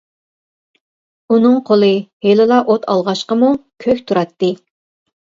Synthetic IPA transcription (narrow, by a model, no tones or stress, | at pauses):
unɨŋqʰolˠɨhelɪlˠɑʔot̪ʰɑ̰lˠʁɑʃqəmukʲʰøkʲt̪ʰuɾɑt̪ːɨ